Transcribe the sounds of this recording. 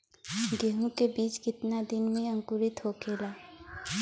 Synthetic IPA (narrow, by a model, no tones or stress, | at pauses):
ɡeːɦũkebiːt͡ʃkɪt̪nad̪ɪnmẽɐ̃ŋkʊɾɪt̪ɦokʰeːlaː